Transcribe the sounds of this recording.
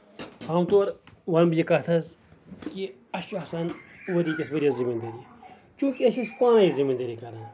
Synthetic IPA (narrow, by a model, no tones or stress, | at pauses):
haːmt̪oːɾʋɐnbijikɐt̪ʰɐz | ki | ɐsuɐːsaːnʋɐɾiːt̪ʲɐsʋɐɾʲiɐzimɐnd̪ɐɾi | t͡ʃũːkiɐsispaːnɐjizimɐnd̪ɐɾiːkɐɾɐn